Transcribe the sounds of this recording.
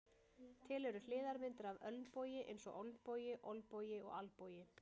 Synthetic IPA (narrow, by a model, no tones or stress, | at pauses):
t̪ʰɪlɛɾʏlɪːðaɾmɪnt̪ɪɾavœlnpoːwjɪʔḛjnsɔɣo̰wlpoːwjɪʔo̰wlpoːwjɪɔ̰ɣa̰lpoːwjɪ